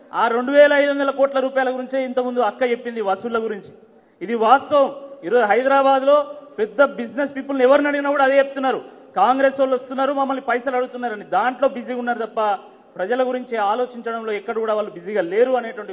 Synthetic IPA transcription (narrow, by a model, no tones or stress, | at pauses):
aːɾeɳɖuʋɛːlɐɐjd̪uond̪ɐlɐkɔːʈlɐɾuːpaːjalɐɡuɾiɲt͡ʃeːint̪ɐmund̪uɐkːɐt͡ʃepːind̪iʋɐsulːɐɡuɾiɲt͡ʃi̥ː | d̪iʋaːst̪ɐʋɐmiːɾo̞ːd͡ʒuɦɐjd̪ɾaːbaːd̪lo̞ːpɛd̪ːɐbid͡ʒnespiːpulniɛʋɐɾinɐɽiɡinaːkuːɽaːɐd̪e̞ːt͡ʃeput̪unːaːɾu | kaːŋɡɾe̞ːsɐlost̪unːaːɾumɐmːɐlːipɐjsɐlɐɽut̪unːaːɾɐnid̪aːɳʈlo̞ːbid͡ʒiunːaːɾut̪ɐpːɐ | pɾɐd͡ʒɐlɐɡuɾiɲt͡ʃeaːlo̞ːt͡ʃiɲt͡ʃɐɽɐmlo̞ːɛkːɐɽɐkuːɽaːʋaːɭːubid͡ʒiːɡaːle̞ːɾuɐneːʈɐʋɐɳʈi